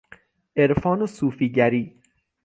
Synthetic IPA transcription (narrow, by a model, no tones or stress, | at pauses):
ʔeɾfɒːnosuːfiːɟæɾiː